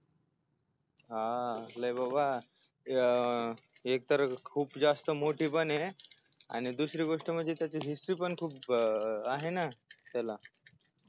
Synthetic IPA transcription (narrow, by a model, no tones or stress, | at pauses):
ɦaləjbaba | ek̚t̪əɾəkʰuːpd͡zast̪əmoʈiːpənea̰ɽ̃id̪usɾiːɡoʂʈəməd̪ʱːet̪jat͡ɕeɦisʈɾiːpəɳkʰuːpaɦenat̪ala